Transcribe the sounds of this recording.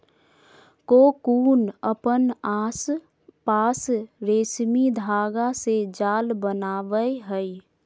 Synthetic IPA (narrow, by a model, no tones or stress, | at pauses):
kokuːnəpənaːs | paːsɾeːsmid̪ʱaːɡased͡ʒaːlbənaːʋəjɦəi